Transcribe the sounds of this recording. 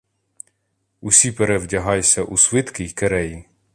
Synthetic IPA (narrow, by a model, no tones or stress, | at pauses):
usʲipeɾɛwdʲɐɦɑjsʲɐʔusʋɪt̪kɪjkeɾɛji